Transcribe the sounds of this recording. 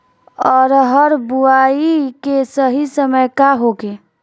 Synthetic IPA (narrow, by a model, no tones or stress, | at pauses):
ɔɾɦəɾbuaikesəɦisəməjkaɦoke